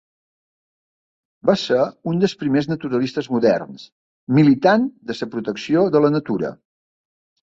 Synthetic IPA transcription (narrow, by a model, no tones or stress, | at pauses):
baseɾund̪əlˠspɾimeznət̪uɾəlist̪əzmuðɛ̰rns | milit̪and̪əsəpɾut̪əksioðələnət̪uɾə̰